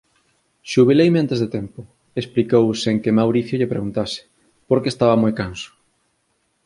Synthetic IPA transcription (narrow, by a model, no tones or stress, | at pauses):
ʃuβelejmeant̪ezðet̪ɛmpʊ | esplikowseŋkemawɾiθjoʎepɾḛɣunt̪asɪ̥ | poɾkeːst̪aβɐmojkansʊ̥